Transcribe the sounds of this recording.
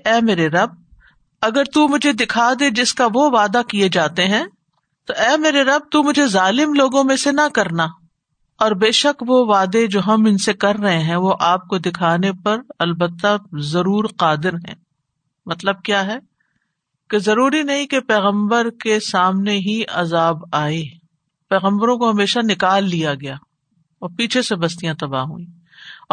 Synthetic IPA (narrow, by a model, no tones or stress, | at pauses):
ɛːmeːɾeɾɐb̚ | ɐɡəɾt̪umʊd͡ʒʱed̪ɪkʰaːd̪ed͡ʒɪskaʋoʋaːd̪akied͡ʒaːt̪eɦɛ̃ː | t̪oʔɛːmeːɾeɾɐb̚t̪umʊd͡ʒʱezaːlɪmloːɡõmẽsenɐkɐɾna | ɔːɾbeːʃɐkʋoʋaːd̪ed͡ʒoːɦɐmɪnsekɐɾːɐɦẽɦɛ̃ʋoʔaːp̚kod̪ɪkʰaːnepɐɾɐlbət̪ːazɐɾuːɾqaːd̪ɪɾɦɛ̰̃ː | mɐt̪ləb̚kjaːɦɛ | kezɐɾuːɾinɐɦĩkepɛːɣə̃mbəɾkesaːmneɦiɐzaːbaːeː | pɛːɣə̃mbəɾõkoɦɐmeːʃanɪkaːlːijaɡɐjaː | ɔːɾpiːt͡ʃʰesebɐst̪ijãt̪ɐba̰ːɦṵːĩː